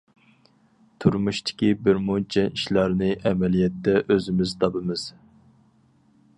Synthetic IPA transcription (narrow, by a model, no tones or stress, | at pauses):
t̪ʰuɾmuʃt̪ʰɪ̥kʲibɪɾmut͡ʃʰɛiʃlɑɾnɨʔɛmɛlijɛt̪ːɛʔøzɪmɪzt̪ʰɑbɨmɨz̥